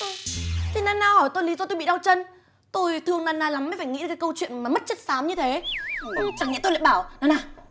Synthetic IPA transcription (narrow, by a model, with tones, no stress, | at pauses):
t̪ʰi˨˩naː˧nːaː˧hɔ˧˩jt̪o˧jli˨˦zɔ˧t̪o˧jɓḭ˧˨ɗa˧wt͡ɕə˧n | t̪o˧jt̪ʰɨ˧əŋnaː˧nːaː˧˩la˨˦mːa˨˩jfaː˧˩jŋḭ˧˥ɗkːaː˨˦kə˧wt͡ɕwḭ˧˨ənmaː˨˩mə˦˥t̚t͡ɕə˦˥t̚saː˨˦mɲɨ˧t̪ʰe˨˦˨ | t͡ɕa˧˩ŋːɛ̰˧˥t̪o˧jla̰ː˧˨ɓaː˧˩wnɔ˨˦naː˨˩